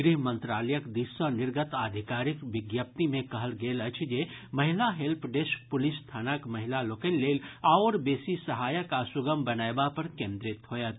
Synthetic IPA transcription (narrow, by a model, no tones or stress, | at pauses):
ɡɾiɦmə̃nt̪ɾaːləjəkd̪isənɪɾɡət̪aːd̪ʱikaːɾɪkʋɪɡjəp̚t̪imẽkɐɦəlɡeːlət͡ʃʰd͡ʒemɐɦɪlaɦelpʰɖesk̚pʊlɪst̪ʰaːnakmɐɦɪlaloːkənːeːlaːɾbeːsisəɦaːjəkasʊɡəmbɐnaːebapɐɾkẽːnd̪ɾɪt̪ɦojat̪